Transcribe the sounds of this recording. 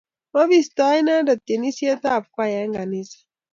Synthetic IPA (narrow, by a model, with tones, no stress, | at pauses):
ma˦βi˦st̪a˦jna˦da˨t̪e˨ni˦si˦a˦t̪a˦˨pkwa˦˨ja˦ŋɡa˨ni˦sḁ˨